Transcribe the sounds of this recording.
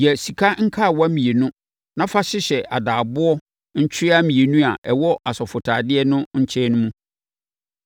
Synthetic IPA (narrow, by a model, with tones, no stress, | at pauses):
jɛ˨si˨kʰa˦ŋ̩˦kʰa˦˨wa˦mĩ˨e˨nʊ̃˦ | nã˦fa˦ɕɪ˦ɕɛ˨ʔa˨daː˨bʊ˦ɔ˦ | ɲ̩˦t͡ɕʰᶣɪ˦ɪ˦a˦mĩ˨e˨nũ˦a˨ʔɛ˨wɔ˦ʔa˨sɔ˨fʊ˨tʰaː˨dɪ˦ɛ˦nʊ̃˦ɲ̩˦t͡ɕʰɛ˦nʊ̃˦mũ˦